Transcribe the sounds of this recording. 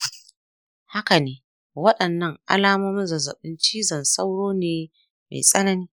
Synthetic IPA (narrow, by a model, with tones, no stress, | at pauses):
ha˦ka˨neː˨ | wɐ˦ɗɐ˨nːɐ˦ŋʔa̰˦laː˦mɔ˦mɪ˦nzɐ˨zɐ̰˨ɓɪ˦nt͡ʃiː˦zɐ˨nsa˦wɽoː˦neː˦ | mḛ˨sʼɐ˦nɐ˦niː˦